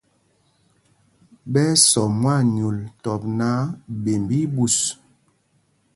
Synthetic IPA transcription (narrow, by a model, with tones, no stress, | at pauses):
bɛ˦sɔ˨mwa˦˨ɲu˨ltɔ˨p̚na˨˦be˨mbi˦bu˨s